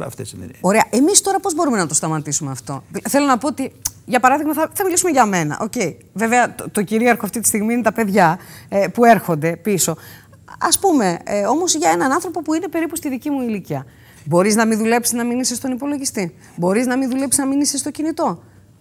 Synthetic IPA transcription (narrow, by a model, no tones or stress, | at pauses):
ɐ̰ft̪ḛsneo̞ɾe̞ɐʔe̞mist̪o̞ɾɐpo̞zbo̞ɾume̞nɐt̪o̞st̪ɐmɐt̪isumeɐft̪o̞̰θe̞lo̞nɐpo̞ot̪iʝɐpɐɾɐðiɣmɐθɐθɐmilisume̞ʝɐme̞nɐ̰ʔo̞̰ce̞i | ve̞veɐt̪o̞ciɾiɐɾxoɐft̪it̪i̥st̪iɣmiinet̪ɐpe̞ðʝɐepue̞ɾxo̞nd̪e̞piso̞ | ɐspume̞o̞mozʝɐe̞nɐnɐnθɾo̞po̞puine̞pe̞ɾipust̪iðicimuiliciɐ | bo̞ɾiznɐminðule̞psiznɐminisist̪o̞nipo̞lo̞ʝist̪i | bo̞ɾiznɐminðule̞psiznɐminisist̪o̞cinit̪o̞